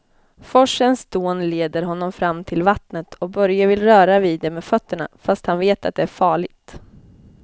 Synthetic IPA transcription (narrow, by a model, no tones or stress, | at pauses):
fɔʂənsd̪̥oːnleːd̪əɾɦɔnːɔmfɾamːt̪ʰɪlvat̪nət̪ʰɔk̚bœɾjavɪlɾœːɾaviːd̪ːɛmeːdfœt̪ːəɳa̰fast̪hanveːt̪a̰t̪̚d̪ɛæɾfɑːɭɪɡ̚t̪